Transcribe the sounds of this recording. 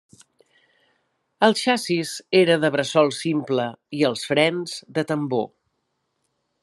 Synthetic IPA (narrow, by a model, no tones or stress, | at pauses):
əlˠʃasizeɾəðəβɾəsɔlˠsimpləiəlˠsfɾɛnzðət̪əmbo̰